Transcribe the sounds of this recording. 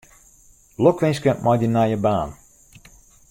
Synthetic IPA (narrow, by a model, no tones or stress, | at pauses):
lokʋɪnskəmʔɔjdənajəbaːn